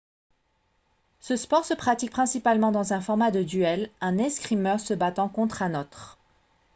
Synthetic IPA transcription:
səspɔʁsəpχat̪ik̚pχɛ̃sipalmɑ̃d̪ɑ̃zɛ̃fɔʁmad̪əd̪yɛlɛ̃nɛ̃skχimœʁsəbat̪ɑ̃kɔ̃t̪χɛ̃not̪χ

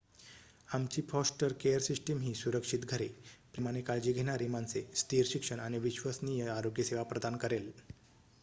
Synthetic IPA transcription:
amt͡ɕiːfɔsʈəɾkejəɾsisʈəmɦiːsuɾəkʂit̪ɡʱəɾepɾimañekaɭd͡ʑiːɡʱenaɾimant͡sest̪iːɾɕikʂəɳañiʋiɕʋəsnijəaɾoɡjəseʋapɾəd̪ʱankəɾel

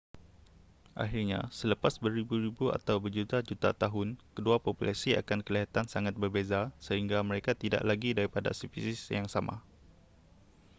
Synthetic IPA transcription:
ʔa̰xirɲa̰sələpasbəɾibuɾibua̰t̪awbərd͡ʒut̪ad͡ʒut̪a̰t̪aɦʊnkəduapopulʔa̰sia̰kankəliɦat̪ansaŋat̪̚bərbezasəɦiŋɡamə̃ɾekat̪ida̰ʔlaɡidaɾipada̰sifisisjaŋsamʔa̰

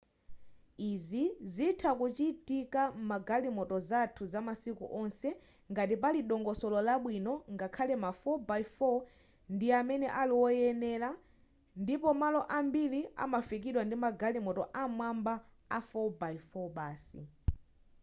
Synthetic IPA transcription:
izizitʰakut͡ʃitikamaɡalimɔtɔzatʰuzamasikṵʔɔnsɛ | ŋɡatipaliɗɔŋɡɔsɔlɔlaɓwinɔŋɡakʰalɛmafɔbaifɔ | ndiamɛnɛʔaliwɔjɛnɛla | ndipɔmalɔʔambilia̰mafik̬iɗwandimaɡalimɔtɔʔamwamba | afɔbaifɔɓaːsḭ

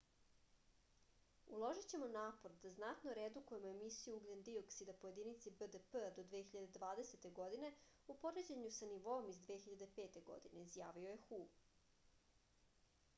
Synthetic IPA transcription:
ulˠo̞ʒit͡ɕe̞mo̞naːpo̞ɾd̪aznat̪noɾed̪ukujemoemisijuuɡlʎend̪ioksid̪apoje̞d̪init̪sibəd̪əpəd̪o̞d̪ʋexiʎad̪ed̪ʋaːd̪e̞set̪e̞ɡo̞d̪ine̞upo̞ɾed͡ʑeɲusaniʋo̞omizd̪ʋeːxiʎad̪e̞pe̞ːt̪eɡo̰d̪ine̞izjaːʋioje̞xu

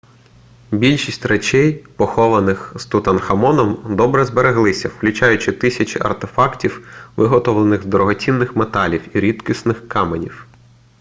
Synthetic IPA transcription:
bʲilʲʃisʲtʲret͡ʃɛjpɔxɔʋɐnɪxz̥t̪ut̪ɐnxɐmɔnɔmd̪ɔbɾɛzbeɾeɦlˠɪsʲɐwklʲʉt͡ʃɑjʊt͡ʃɪt̪ɪsʲɐt͡ʃɪʔɐ̰rt̪efɑktʲiwʋɪɦɔt̪ɔʋlˠenɪxzd̪ɾɔɦɔt͡sʲinːɪxmet̪ɑlʲiwiɾʲit̪kisnɪxkɑmenʲiw

